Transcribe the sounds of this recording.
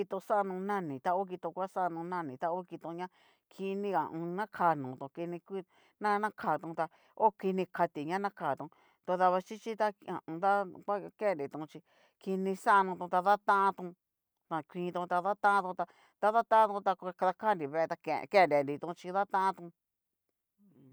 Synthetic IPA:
i˧t̪o˧sa˦˧nũ˧nã˦nĩ˨t̪a˧o˦k̬i˧t̪õ˧kʷa˦sa˦˧nũ˧nã˦nĩ˨t̪a˧o˦ki˧t̪õ˧ɲã˦ | kʰi˧nĩ˦ã̰˨ʔũ˧nã˦kʰa˨nũ˨˧t̪ũ˧ki˧nĩ˧kʷi˦ | nã˦nã˦kʰaː˨t̪ũ˧t̪a˧ | o˦ki˧nĩ˧ka˧t̪i˨ɲã˦nã˦kaː˨t̪ũ˧ | t̪o˧ða˧βa˧t͡ʃi˦t͡ʃi˦t̪a˦˧ã̰˨ũ˧d̪a˦kʷa˦kẽ˦˨nɾi˨t̪ũ˧˨˧t͡ʃi˧ | ki˧nĩ˧sa˦˧nũ˧t̪ũ˧t̪a˧ða˦t̪ã˦ʔã˦t̪ũ˧ | t̪a˧kʷĩː˧t̪ũ˧t̪a˧ða˦t̪ã˦ʔã˦t̪ũ˧t̪a˧ | t̪a˧ða˦t̪ã˦ã˦t̪ũ˧t̪a˧kʷkða˧ka˦nɾi˨βe˧e˧t̪a˧kḛ˧kẽ˦˨nɾi˧˨nɾi˨t̪ũ˧t͡ʃi˧ða˦t̪ã˦ʔã˦t̪ũ˧˨

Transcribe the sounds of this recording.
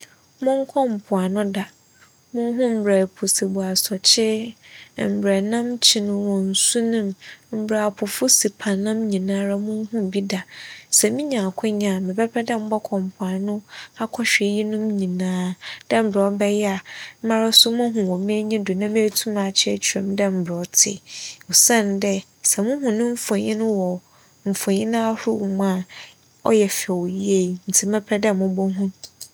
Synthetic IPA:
mʊ̃˦ŋ˦kʰɔ̃˦m̩˨pʰʊ˨a˨nʊ̃˦da˨ | mʊ̃˦ɦʊ̃˦m̩˨bɾɛ˨pʰʊ˨se˨bu˨a˨sɔ˨t͡ɕʰɪ˦ | m̩˨bɾɛ˨nã˦mt͡ɕʰɪ˨˦nʊ̃˦wɔ̃˨n̩˨su˦nʊ̃˦mm̩˦bɾa˨a˨pʰʊ˨fʊ˦si˨pʰã˨nã˦mɲĩ˨nãː˦ɾa˦mʊ̃˦n˦ɦʊ̃˦m˨bi˦da˨sɛ˨mĩ˦ɲã˨kʰʊ̃˦ɲã˨mɪ̃˨bɛ˦pʰɛ˦dɛ˦m̩˦bɔ˦kʰɔ̃˨m˨pʰʊ̃˨a˨nʊ̃˦a˦kʰɔ˦ɕᶣɛ˨ji˦nʊ̃˦m˦ɲĩ˨nãː˦d̥ɛ̃˦m̩˨bɾɔ˦bɛ˦jɛ˦a˨m̩˦mã˦ɾa˦sʊ˦mʊ̃˦ɦʊ̃˨wɔ˨mɪ̃˦æ˦ɲĩ˦dʊ˨nã˦mɪ̃˦tʰu˦mã˨t͡ɕʰɪ˦ɛ˦˨t͡ɕʰy˨ɾɛ̰˨m˦dɛ˦m̩˨bɾɔ˦tʰɪ̰˦o˨sã˦ndɛ˦ | sɛ˨mʊ̃˦ɦʊ̃˨nʊ̃˦m̩˦fɔ̃˨ɲĩ˦nʊ̃˦wɔ˨ | m̩˨fɔ̃˨ɲĩ˦nʊ̃˦a˦hʊ˦˨m˦ã˦˨ | ɔ̰˦jɛ˨fɛ˨wo˨ji˦e˦˨n̩˨tʰɪ˨˦ɛ˦pʰɾɛ˦dɛ˦˨mʊ̃˦bɔ˦ɦũ˦m

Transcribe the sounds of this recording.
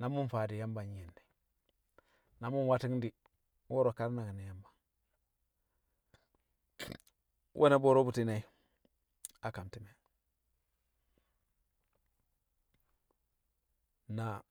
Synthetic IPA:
na˨˦mu˦nfa˨di˨ja˦mba˨n˦e˨nde˨ | na˨˦mu˦nwa˦ti˦ŋdi˨ | wo˦ɾo˨ka˦ɾna˨ki˨ni˨ja˦mba˨ŋ | wʔo˦na˦bo˨ɾo˦bu˨ti˦na˨i˦ | a˨ka˨mti˨me˨ | na˨

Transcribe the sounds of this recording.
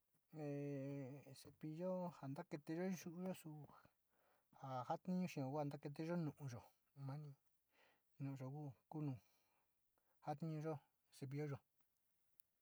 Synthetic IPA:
e˨se˧pi˧ʒo˦ha˨nd̪a˦ke˧t̪e˧ʒo˦ʒu˦ʔu˧ʒo˦su˧ | ha˨ha˦t̪ĩ˦ɲũ˧ʃĩ˧õ˨˧ɣʷa˦˨nd̪a˦ke˧t̪̬e˧ʒo˦nũ˧˨ʔũ˧ʒo˨ | mã˦nĩ˧ | nũ˨ʔʒo˨ku˦ku˦nũ˧ | ha˦t̪nĩ˦ɲũ˧ʒo˦ | se˧p̬i˧ʒo˦ʒo˧

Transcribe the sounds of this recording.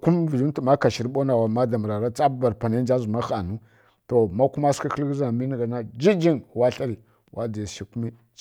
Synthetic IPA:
ku˦mvi˨d͡ʒi˦tu˨ma˦ka˨ʃi˨ɾbo˦na˨wa˨ma˦da˨mə˨ɾa˨ɾa˦t͡sa˦ba˨ɾpa˨na˦d͡ʒa˦zu˨ma˦xa˨nu˦ | to˨ma˦ku˦ma˦ska˦xi˦lɡza˨mi˦ni˨ɡa˨na˦d͡ʒi˦d͡ʒi˦nwa˦ɬa˦ɾi˨ | wʔa˦da˨ʃi˦ku˦mi˦

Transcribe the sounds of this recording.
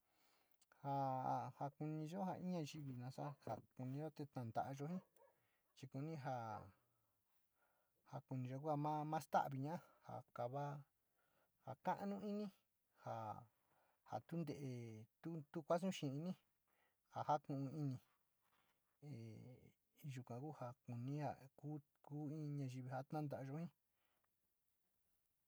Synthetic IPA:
ha˧˨ha˧ku˧nĩ˧ʒo˦ha˨ʔi˦ɲã˧ʒi˧βi˨nã˧sa˦ha̰˨ku˧nĩ˧ʒo˦t̪e˧t̪ã˨nd̪a̰˨ʔa˧ʒo˧hĩ˦ | t͡ʃi˧ku˧nĩ˦ɦa˧ | ha˧ku˧nĩ˧ʒo˧k̬u˦a˧mã˦mã˦st̪a̰˦ʔβi˧ɲã˦ha̰˨ka˨βa˦ | ha˨kã˦ʔnũ˦i˦nĩ˦ | ha̰˨ | ha̰˨t̪u˦nd̪e˨ʔe˨t̪u˦t̪u˦kʷa˦s̬ũ˦ʃĩ˧i˧nĩ˦ | ha˨ha˦kũ˧˨ʔũ˧i˧nĩ˧ | e˨ | ʒu˧kʷã˨ku˦ha˧ku˨nĩ˦ha̰˧ku˦ | kuː˦ĩ˦˧ɲã˧ʒi˧βi˧ha˧t̪nã˦nd̪a˧ʔʒo˧˦hĩ˦

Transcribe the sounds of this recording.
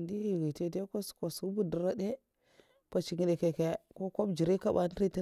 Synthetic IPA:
ndi˦i˨ɣi˨te˦de˦ko˦sko˨su˨˦bu˦də˨ɾa˦de˦ | pa˨t͡ʃi˨ŋi˨le˨ke˨ke˨ko˦ko˦bd͡ʒi˨ɾi˦ka˦ba˨n˦ɾi˦ti˦

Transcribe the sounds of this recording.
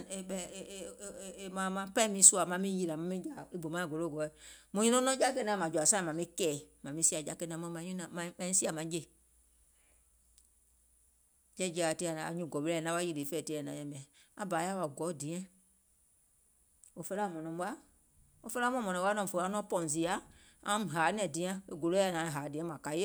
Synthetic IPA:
e˨ɓɛ˧˨mã˨mã˧˦pa˦mĩ˦su˦a˨mã˧˦mĩ˦ji˧la˨mã˨mĩ˦d͡ʒa˨i˦bo˨mã˨˦˨ɡo˨lo˦˨ɡɔ˨˦ɛ˨mũ˨˦ũ˦nɔ̃˦nɔ̃˦d͡ʒa˦ke˦nã˧˦mã˨d͡ʒu˨a˨sã˦˨mã˨mĩ˦kɛː˨mã˨mĩ˦si˦a˨d͡ʒa˨˦ke˧˦nã˨˦mɔ̃˦mã˨˦ũ˦nã˨mã˨˦mã˨ɲĩ˦si˦a˨mã˨˦d͡ʒe˦˨ | d͡ʒɛ˦d͡ʒa˨te˧˦a˨nã˨a̰˨ɲũ˧˨ɡɔ˨ɓe˧lɛ˧˨nã˦ɓa˦i˦˧le˨˦fɛː˦˨te˧˦ɛ˨nã˨jɛ̃˨mɛ̃˨ã˨a˦baː˨˦ja˦wa˨ɡɔ˨˦dĩ˨˦ɛ̃˦ | o˨fə˧la˦˨mɔ̃˨nɔ̃˨˦ɓa˦ | o˧fə˧la˦mɔ̃˦mɔ̃˨nɔ̃˨˧˦a˦nɔ̃˦˨fo˧˨a˨˧˦nɔ̃˦pɔ̃˨z̬i˨˦a˨˦ | ã˦ɦaː˨˦nɛ̃˨dĩ˨˦ã˧˦e˦ɡo˨lo˦a˧˨nã˨˦˨ɦaː˨˦dĩ˨˦ɛ̃˦mã˨ka˨˦je˦

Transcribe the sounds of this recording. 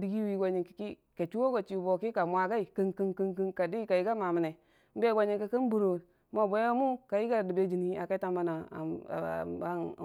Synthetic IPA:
di˦ɡi˦wi˦ɡo˨ɲi˨ki̥˨ki˦ | ke˨t͡ʃu˦wo˦ɡo˨t͡ʃi˨bo˨ki˦ka˨mʷ˨a˨ɡa˦i˨kə˦ŋkə˦ŋkə˦ŋkə˦ŋka˨di˦ka˨ji˦ɡa˦ma˨mi˨ne˨ | m̩˦be˦ɡo˦ɲi˨ki˦kə˦n˦bu˨ɾo˨˦mo˦˨bo˨˦mu˦ka˨ji˦ɡa˦˨di˨be˨˦d͡ʒi˨ni˨a̰˨ka˦ta˦mba˦na̰˨ | a˦˨

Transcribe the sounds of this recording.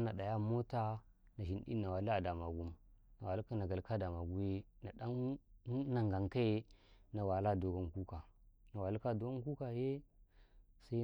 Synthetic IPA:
na˨ɗa˨ja˦mo˦ta˦na˨ʃi˨nɗḭ˦a˨wa˨li˦a˨da˨ma˨ɡu˦mna˨wa˨li˦ka˦na˨ɡa˨lka˦da˨ma˨ɡu˦je˦na˨da˦ | na˨ŋɡa˨ŋka˦je˦na˨wa˨la˦˨do˨ɡa˦nku˦ka˨na˨wa˨li˦ka˦do˦ɡa˦ku˦ka˨je˦ | sa˦i˦

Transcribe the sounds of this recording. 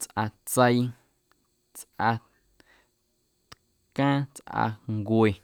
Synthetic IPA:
t͡sʔa˧t͡sə˧j | t͡sʔa˧ | t̪ | kãː˦t͡sʔa̰˧ŋɡwe˨

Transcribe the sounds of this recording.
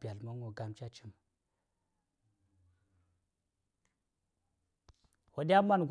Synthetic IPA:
bi˨a˨lma˦ŋo˨ɡa˨mt͡ʃa˦t͡ʃi˦m | wo˨di˦a˦ma˦nɡ

